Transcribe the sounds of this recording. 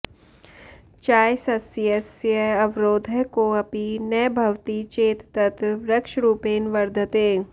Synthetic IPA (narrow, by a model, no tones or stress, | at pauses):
t͡ʃaːjsɐsiəsjəɐʋɾoːd̪ʱəɦkoɐpinɐːbʱɐʋt̪it͡ʃeːt̪t̪ɐt̪ɾɐkʃɾuːpeːnʋɐɾd̪ʱət̪eː